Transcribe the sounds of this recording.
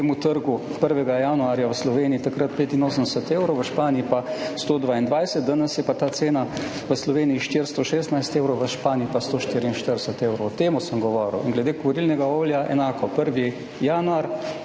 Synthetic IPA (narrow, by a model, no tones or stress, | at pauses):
emut̪əɾɡupəɾʋɛɡajaːnuaːɾjaʋəslɔʋeːniit̪akɾət̪̚peːt̪inoːs̬ənd̪ɛsət̪eːwɾɔwʋəʃpaːniipast̪oːd̪ʋaːind̪ʋajsət̪d̪ənəsjɛpat̪aːt̪seːna | ʋəslɔʋeːniiʃt̪iɾst̪oʃeːst̪najst̪eːʊɾɔwʋəʃpaːniipast̪oːʃt̪iːɾiinʃt̪əɾd̪ɛsət̪eːwɾowɔt̪eːmusəmɡɔʋɔːɾə̰winɡlɛd̪eːkɔɾilnɛɡaoːljaʔɛ̰naːkɔpəɾʋi | jaːnuaɾ